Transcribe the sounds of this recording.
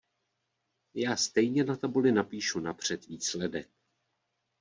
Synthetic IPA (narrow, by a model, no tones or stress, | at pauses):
jaːst̪ɛjɲɛnat̪abulɪnapiːʃunapr̝̥ɛt̪viːslɛdɛk̚